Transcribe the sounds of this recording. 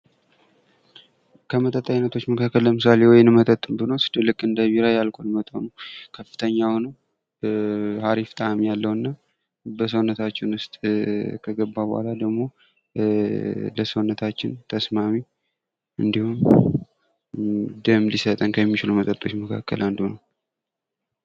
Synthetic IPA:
kʰəmət̪ʼət̪ʼːainət̪ʰo̞t͡ʃːməkʰakːəlləmɨs̬alewɔjɪnmət̪ʼət̪ʼːɨmbɨnosɨ̥d̪ɨlːɨkʼːɨnd̪əβiɾajalkʼonmət̪ʼonəwkʰəfːɨ̥t̪ʰəɲːawnəw | haɾift̪ʼamijalːəwɨnːa | bəs̬əwnːət̪ʰat͡ʃːɪnʊst̪ʼkʰəɡəbːabəha̰lad̪əɡmo̞ | ləsəwnːət̪ʰat͡ʃːɪnt̪ʰəsmami | ʔɨnd̪ihum | d̪əmlisət̪ʼənkʰəɛmːit͡ʃɪlumət̪ʼət̪ʼːo̞t͡ʃːməkʰa̰kːə̰land̪unəw

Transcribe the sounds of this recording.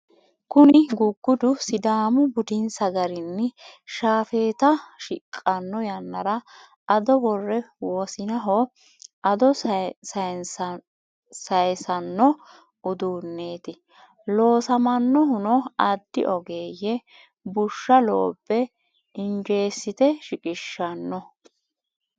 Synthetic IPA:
kʊnɪɡʊɡːʊd̪ʊsɪd̪aːmʊbʊd̪ɪnsɐɡɐɾɪnːɪʃaːfe̞ːt̪ɐʃɪkʼːɐnːɔjɐnːɐɾɐ | ɐd̪ɔbɔrːɛwoːsɪnɐɦɔ | ɐd̪ɔsɐns | sɐjsɐnːɔ | ʊd̪uːnːe̞ːt̪ɪ | lo̞ːsɐmɐnːɔɦʊnɔɐd̪ːɪ̰ʔɔɡeːjɛ | bʊʃːɐlo̰ːbːɛ | ɪnd͡ʒe̞ːsːɪt̪ɛʃɪkʼɪʃːɐnːɔ

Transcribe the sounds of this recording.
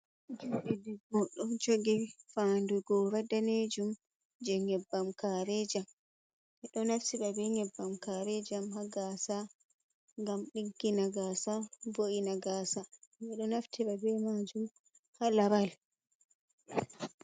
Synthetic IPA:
d͡ʒuɗidiɡɔɗɔnd͡ʒoɡifanduɡɔɾadaned͡ʒum | d͡ʒɛŋɛbːamkaɾɛd͡ʒam | ɛɗɔnaftiɓabɛŋɛbːamkaɾɛd͡ʒamhaɡaːsa | ŋɡamɗiɡːinaɡasavoʔinaɡaːsamɛɗɔnaftʰiɓabɛmad͡ʒum | halabal

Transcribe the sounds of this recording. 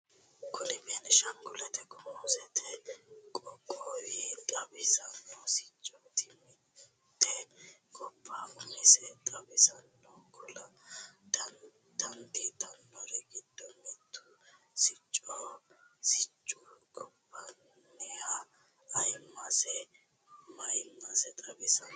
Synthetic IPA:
kʰʊnɪbeːnɪʃɐŋɡʊlɛt̪ɛkʊmowzɛt̪ʰɛkʼɔkʼːɔjɪt̪ʼɐbɪsɐnːɔsɪ̥t͡ʃʼːɔt̪ʰːɪmɪ | t̪ːɛkʼɔpːaːʊmɪsɛt̪ʼɐbɪsɐnːɔkʰɔlɐd̪ | d̪̥ɐnd̪it̪ɐnːɐɾɛɡɪd̪ːɔmɛt̪ːʊ | sɪt͡ʃʼːɔsɪt͡ʃʼːukʼɔpːɐnː | ɛhɐː | jmːɐsɛ | mɐjmːɐsɛt̪ʼɐbɪsɐn

